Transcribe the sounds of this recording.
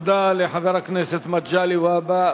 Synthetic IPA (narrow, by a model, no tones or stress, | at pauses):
d̪aliħaðˤɑɾˤɑknesɪt̪ːmat̪d͡ʒaːliwaba